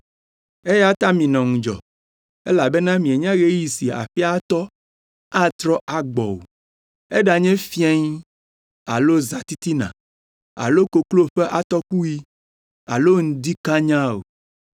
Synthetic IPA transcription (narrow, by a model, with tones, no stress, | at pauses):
e˦ja˦t̪a˦mĩ˨nɔ̃˨ŋũ˨d͡ʒɔ̰˨ | ḛ˦la˨be˦nã˦mĩ˨e˨ɲã˦ɣe˦ji˨si˨a̰˨ɸi˦a˦t̪ɔ˦ | a˦t̪ɾɔ˦ʔa˨ɡ͡bɔ̰˨wo̰˨ | e˦ɖa˨ɲɛ̃˦fi˦ɛ˦ɲ˦ | a̰˨lo˦za˨t̪i˦t̪i˦nã̰˨ | a̰˨lo˦ko˨klo˦ɸɛ˦ʔa˨t̪ɔ˦ku˦ji˦ | a̰˨lo˦ŋ̩̃˦d̪i˦ka˦ɲã˦o̰˨